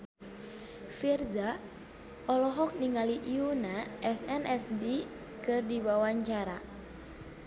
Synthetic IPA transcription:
firza | ʔɔlɔɦɔk̚niŋaliʔiunaʔɛsɛnʔɛsdi | kɨrdiwawaɲt͡ʃaɾa

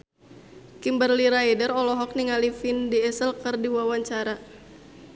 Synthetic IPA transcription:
kimbərliɾajdərɔlɔɦɔk̚niŋalifindiɛsəlkɨrdiwawaɲt͡ʃaɾa

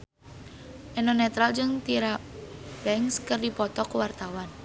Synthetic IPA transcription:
ʔɛnɔnɛt̪ɾald͡ʒɨŋt̪iɾabɛŋskərdipɔt̪ɔkwart̪awan

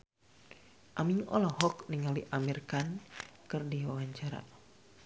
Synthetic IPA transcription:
ʔamiŋɔ̰lɔhɔk̚niŋaliʔamirkankɨrdiwawaɲt͡ʃaɾa̰

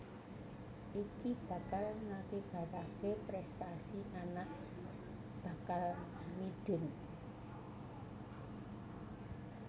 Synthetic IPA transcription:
ʔikib̥ä̤kalŋakib̥a̤k̪akepɾɛst̪asiʔanaʔ | b̥a̤kal | mid̥ʊ̤n

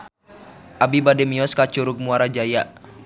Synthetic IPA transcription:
ʔabibadɛmiɔskat͡ʃuɾuɡ̚muaɾad͡ʒaja

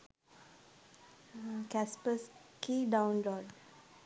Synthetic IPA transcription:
kæspəskiɖãʊnlɔːɖ

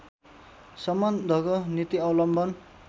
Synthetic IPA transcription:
sʌmʌnd̪ʱʌkonit̪iʌwlʌmbʱʌn

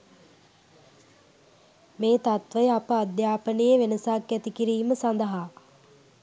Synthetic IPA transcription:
meːt̪at̪ʋəjapəad̪jaːpənejeʋenəsaːkːæt̪ikiɾiːməsand̪əɦaː

